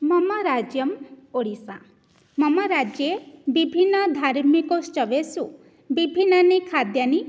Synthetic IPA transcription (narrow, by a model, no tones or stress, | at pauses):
mɔmɔɾad͡ʒjɔmoɽisa | mɔmɔɾad͡ʒjebibʱinːɔd̪ʱaɾmikɔst͡ʃɔʋesu | bibʱinːanikʰad̪jani